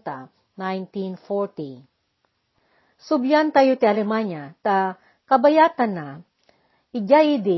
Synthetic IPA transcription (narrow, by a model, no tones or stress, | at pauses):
t̪a | najnt̪infɔɹt̪i | sʊbjant̪ajot̪ialɛmaɲat̪a | kɐbajat̪ana | ɪd͡ʒaid̪i